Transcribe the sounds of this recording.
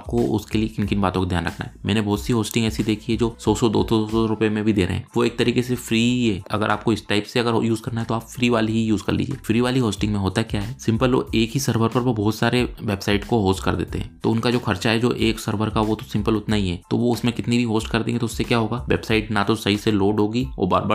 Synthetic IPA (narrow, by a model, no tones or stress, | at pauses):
aːp̚koʊ̰skeliekɪnkɪnbaːt̪õkod̪jaːnɾɐ̰kʰna̰ɦɛmɛ̃ːnebɔːt̪siɦoːsʈɪ̃ŋɡɛːsid̪eːkʰiɦɛd͡ʒoːsɔːsɔd̪o̰ːsɔsɔɾʊpjemẽbʱid̪eːɾə̰ɦɛ̰̃ːʋoeːk̚t̪ɐɾiːkesefɾiːɦɛːɐ̰ɡəɾʔaːp̚koɪsʈaːɪpseɐɡəɾjuːzkɐɾnaɦɛt̪oaːpfɾiːʋaːliɦijuːzkɐ̰ɾlḭːd͡ʒiḛːfɾiːʋaːliɦoːsʈɪ̃ŋɡmẽɦoːt̪aɦɛkjaːɦɛːsɪ̃mpəlo̰eːkɦisɐɾʋəɾpɐɾʋobɔːt̪saːɾeʋeːbsaːɪʈkoɦoːsʈkɐ̰ɾd̪ḛːt̪ḛɦɛ̰̃ːt̪o̰ːʊnkad͡ʒoːxʰɐɾt͡ʃaɦɛd͡ʒo̰ːʔeːksɐɾʋəɾkaʋot̪osɪ̃mpəlʊt̪naɦiɦɛːt̪o̰ʋoʊsmẽkɪt̪nibʱiɦoːsʈkɐɾd̪ḛ̃ːɡet̪oʊsːekjaːɦoːɡaːʋḛːbsaːɪʈnat̪osɐɦiseloːɖɦoːɡio̰ːba̰ːɾbə